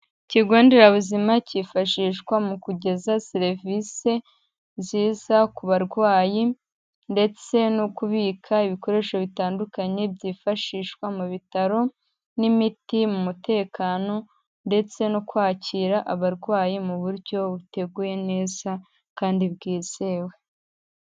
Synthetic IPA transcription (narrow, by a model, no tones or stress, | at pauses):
ciɡoːndeɾaβuzimacifaʃiːʃkwamukuɟe̞zaseɾvise̞ | ziːzakuβaɾɡwaːji | nde̞t͡se̞nokuβiːkʰaiβiko̞ɾe̞ʃoβitaːndukaɲe̞bɟiːfaʃiːʃkwamuβitaɾo̞ | nimitimumute̞ːkaːno̞ | nde̞t͡se̞nokwaːciːɾaʔaβaɾɡwaːjimuβuɾɟo̞βute̞ɡuːje̞ne̞ːza | kaːndibɡiːz̥e̞we̞